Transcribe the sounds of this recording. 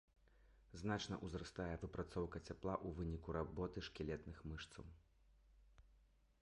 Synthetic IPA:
znat͡ʂnɐ̰ʔuzɾast̪ajɛvɨpɾat̪sɔwkɐt͡sʲaplˠaʔuvɨnʲikuɾabɔt̪ɨʂkʲilʲɛt̪nɨxmɨʂt̪sɐ̰w

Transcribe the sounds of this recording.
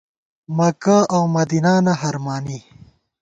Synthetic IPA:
mɐkaawmɐd̪inaːnɐɦɐɾmaːni

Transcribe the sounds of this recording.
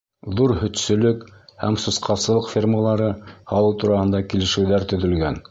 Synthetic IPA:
ðuɾhɵ̆t̪sɵ̆lɵkhæmsɤ̆sqɑsɤ̆lˠɤqfʲirməlˠɑɾɤhɑlˠɤwt̪uɾɑhɤ̆nd̪ɑkilɘ̆ʃɘ̆wðæɾt̪ɵ̆ðɵ̆lɡæn

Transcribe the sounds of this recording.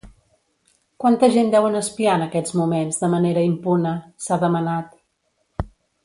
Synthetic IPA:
kwant̪əʒend̪ɛwənəspianəkɛzmumenzðəməneɾəimpunəsaðəmənat̪

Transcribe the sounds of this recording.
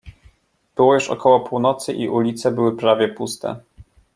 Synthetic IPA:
b̥ɘwɔjuʂɔ̰kʰɔwɔpuwnɔt̪sɘʔiʔulʲit̪sɛbɘwɘpɾavʲjɛpust̪ɛ̰

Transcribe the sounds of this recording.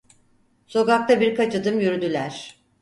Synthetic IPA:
so̞ɡak̚t̪ʰabiɾkʰat͡ʃʰɯd̪ɯmjyɾyd̪ylʲæɾ̥

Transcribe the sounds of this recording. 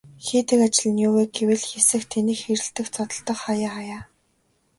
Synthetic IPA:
xeːt̪ɘ̆kat͡ɕɪ̆ɮɘ̆njʊweːɡewɘ̆ɮxesɘ̆xt̪ʰenĭːxxeɾɘ̆ɬt̪ɘ̆xt͡sʰɔt̪ɞ̆ɬt̪ə̆χχajaːχajaː

